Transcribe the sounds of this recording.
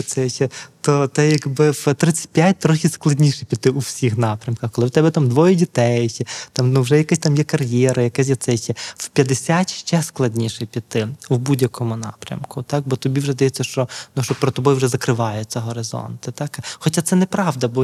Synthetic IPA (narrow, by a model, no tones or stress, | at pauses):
sɛʃɛt̪ɔt̪ɛjɐɡbɪwt̪ɾɪt͡sʲːɐ̥t̚ʲpʲjat̚ʲt̪ɾɔxʲisklˠɐdʲnʲiʃɪpʲit̪ːɪʔuwsʲixnɑpɾʲɐmkɐxkɔlˠɪwt̪ɛbɛt̪ɑmd̪ʋɔjɛdʲit̪ɛjʃɛt̪ɑmnuwʒɛjɐkɪsʲt̪ɑmjɛkɐrjɛɾɐjɐkɛs̬ʲjɛt̪sɛjt͡ʃʲɛwpʲjɐd̪esʲatʲʃt͡ʃɛsklˠɐdʲnʲiʃɛpʲit̪ɪwbudʲjɐkɔmʊnɑ̰pɾʲɐ̰mkʊt̪ɑk̚bɔt̪ɔbʲiwʒɛzd̪ɐjɛt͡sʲːɐʃt͡ʃɔnuʃt͡ʃɔpɾɔt̪ɔbɔjuwʒɛzɐkɾɪʋɑjɛt͡sʲɐɦɔɾɪzɔ̰nt̪ɪt̪ɑkxɔt͡ʃat̪sɛnɛpɾɑʋd̪ɐbɔ